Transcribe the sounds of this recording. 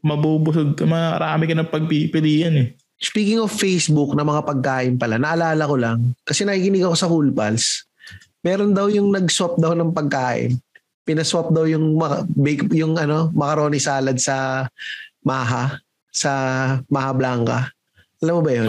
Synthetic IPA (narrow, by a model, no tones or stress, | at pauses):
mɐbubʊsoɡ̚kɐmɐɾaːmɪkɐnɐŋpɐɡ̚pipɪd̪iːjɐnɛ | spiːkɪŋofːejsbʊk̚nɐmɐŋapɐɡ̚kaːʔɪnpɐlanɐʔɐlaːlɐko̞laŋkɐsɛnɐkiːkɪnɪɡɐko̞sɐkulpɐls | mɛːɾo̞nd̪ɐwjʊŋnɐɡswap̚d̪ɐwnɐŋpɐɡ̚kaːʔɪ̰n | pɪnɐswap̚d̪ɐwjʊŋmɐbɛkjʊŋɐno̞mɐkɐɾo̞ːnɪsaːlɐd̪̚sɐ | maːɦa | sɐmahɐblaŋkɐ̰ | ʔɐlamːobɐjon